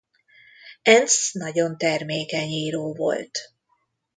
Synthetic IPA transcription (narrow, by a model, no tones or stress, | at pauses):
ɛnsnɒɟo̞nt̪ɛrmeːkɛɲiːɾoːvo̞̰lt̪